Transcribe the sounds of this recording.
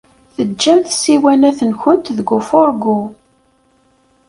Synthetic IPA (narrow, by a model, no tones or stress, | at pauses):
θəːæmθsiwænæθənçʊnt̪ðəɡufʊɾɡu